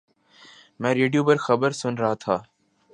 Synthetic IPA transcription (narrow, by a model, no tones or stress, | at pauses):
mɛ̃ːɾeːɖjoːpəɾxəbəɾsʊnɾəɦaːt̪ʰaː